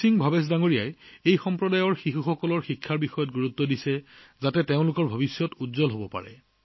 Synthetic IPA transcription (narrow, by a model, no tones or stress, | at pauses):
siŋbʱabes̬daŋoɹijajejxɔmpɹɔdajɔɹxixuxɔkɔlɔɹxikʰːaɹbixɔjɔt̚ɡuɹutːɔdisɛzatɛteʊ̃lʊkɔɹbʱɔbisjɔtudzɔlɦobɔpa̰ɹɛ̰